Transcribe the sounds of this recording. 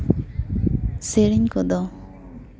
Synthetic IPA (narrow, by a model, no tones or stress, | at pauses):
seɾiɲkɔd̪ɔ